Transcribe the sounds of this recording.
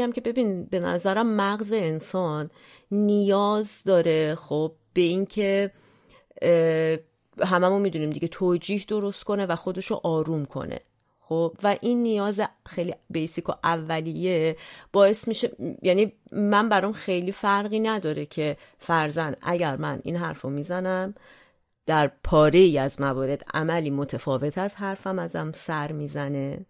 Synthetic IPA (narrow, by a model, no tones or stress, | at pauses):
æmcʲʰe̞be̞biːnbe̞næ̰zæɾæmːæɣze̞ːnsɒːnː | ijɒːzd̪ɒːɾe̞xob̥̚ːe̞iːŋcʰe̞ | ɦæmæmomid̪uniːmd̪ḭɟe̞t̪ʰoːd͡ʒiːhd̪o̞ɾo̞st̪̚kʰo̞ne̞væxo̞d̪e̞ʃo̰ʔɒːɾuːmkʰo̞̰nḛ | xobvæʔinːijɒːzexejlibejsikʰoʔævːælije̞b̥ɒːe̞st̪miʃejæːnimæmbæɾɔmxe̞jliːfæɾɣiːnæd̪ɒːɾecʰe̞ | fæɾzænd̪̥ʔæ̰ɟæɾmænḭnɦæɾfomizænæm | d̪̥æɾpʰɒːɾe̞iːæzmævɒːɾe̞d̪æ̰mæliːmo̞t̪ʰefɒːve̞t̪ʰæzɦæɾfæmæzæmsæɾmiːzæne̞